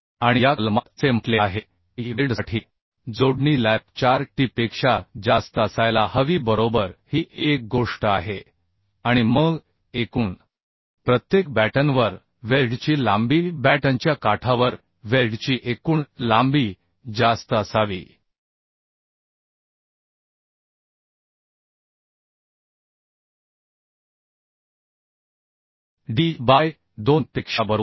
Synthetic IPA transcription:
aɽ̃ijalmat̪t͡sempleaɦe | iʋiɖʈʰiː | d͡zoɽɳilæp̚t͡ɕaɾʈipekʂad͡zast̪əəsajlahəʋiːbəɾobəɾhiːʔek̚ɡoʂʈəaɦe | aɽ̃iməɡ | ekuːɳ | pɾət̪jek̚bæʈənʋəɾ | ʋelɖt͡ɕiːlambiːbæʈaɲt͡ɕjakaʈʰaʋəɾ | ʋelɖt͡ɕiːʔekuːɳlambiː | d͡zast̪əəsaʋḭː | ɖiːbaj | d̪onp̪ekʂabəɾ

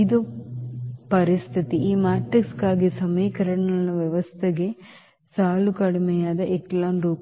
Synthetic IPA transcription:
id̪u | pɐɾist̪ʰit̪iiːmaːʈɾikskaːɡisɐmiːkɐɾɐɳnɐlɐʋjɐʋɐst̪ʰeɡe̞ | saːlukɐɽimɛjaːd̪ɐʔeklaːnɾuːk

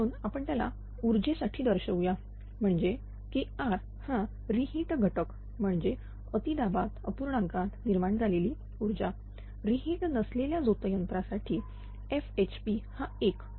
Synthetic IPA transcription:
uːnapəɳt̪jala̰ | uɾd͡ʑesaʈʰiːd̪əɾɕəwja | m̤əɳd͡ʑe | keaɾ | hã | ɾiɦiːʈɡʱəʈək | m̤əɳd͡ʑe | ət̪id̪abat̪əpuɾɳãŋkat̪niɾmaɳd͡zʱaleliː | uɾd͡ʑa | ɾiɦiːʈnəsleljad͡zot̪jənp̪ɾasaʈʰiː | efet͡ɕpihaek

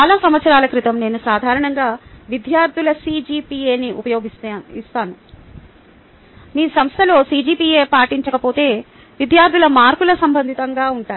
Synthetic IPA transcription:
t͡ʃaːlaːsɐmʋɐt̪sɐɾaːlɐkɾit̪ɐmne̞ːnusaːd̪ʱaːɾɐɳɐŋɡaːʋid̪jaːɾd̪ʱulɐsiːd͡ʒiːpiːeːniʔupɐjo̞ːɡisist̪aːnu | niːsɐmst̪ʰɐlo̞ːsiːd͡ʒiːpiːe̞ːpaːʈiɲt͡ʃɐkɐpo̞ːt̪e̞ː | ʋid̪ʱjaːɾd̪ʱilɐmaːɾkulɐsɐmbʱɐnd̪ʱit̪ɐŋɡaːuɳʈaːn

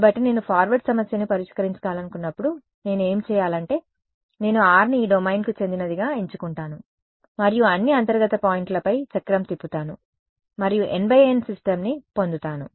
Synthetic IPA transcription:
bɐʈːine̞ːnupʰaːɾʋɐɾʈsɐmɐsjɐnipɐɾiʂkɐɾiɲt͡ʃɐ̥kaːlɐnukunːɐpːuɽu | ne̞ːnue̞ːmt͡ʃɛːjaːlɐɳʈe̞ː | ne̞ːnuaːɾniiːɖomɐjnkut͡ʃe̞nd̪inɐd̪iɡaːiɲt͡ʃukuɳʈaːnu | mɐɾijuɐnːiɐnt̪ɐɾɡɐt̪ɐpaːjiɳʈlɐpɐjt͡ʃɐkːɾɐmt̪ipːut̪aːnu | mɐɾijuʔe̞nbɐjensisʈɐmnipo̞nd̪ut̪aːnu

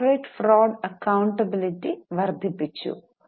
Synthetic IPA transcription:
ɾɐjʈfɾɔːɖɐkːɐwɳʈɐbiliʈiʋɐɾd̪ʱipːit͡ʃːṵ

